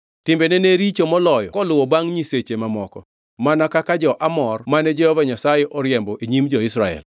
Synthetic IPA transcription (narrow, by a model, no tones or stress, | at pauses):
tɪmbenɛneɾit͡ʃomɔlɔjɔ̰kɔlʊwɔbaŋɲiset͡ʃemamɔkɔ | manakakad͡ʒɔʔamɔrmanɛd͡ʒɛhɔvaɲasajɛʔɔɾjɛmbɔʔeɲimd͡ʒɔɪsɾaɛ̰l